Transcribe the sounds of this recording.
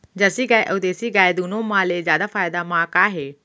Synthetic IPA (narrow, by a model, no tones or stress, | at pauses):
d͡ʒəsiɡaːeʔəd̪eːsiɡaːed̪uːnõmãːlezjaːd̪afaːɪd̪amãːkaːɦeː